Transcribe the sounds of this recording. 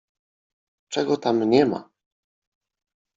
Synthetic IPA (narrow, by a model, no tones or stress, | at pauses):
t͡ʂɛɡɔt̪amɲɛma̰